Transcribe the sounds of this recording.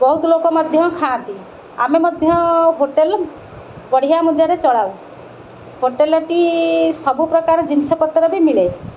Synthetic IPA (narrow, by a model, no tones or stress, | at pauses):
bɔɦut̪ɔlokɔmɔd̪ʱjɔmkʰãːt̪i | a̰memɔd̪ʱjɔɦoʈel | bɔɽ̤ijamud͡ʒaɾet͡ʃɔɽaw | ɦoʈelɔʈisɔbʱupɾɔkaɾɔd͡ʒinsɔpɔt̪ːɾɔbimile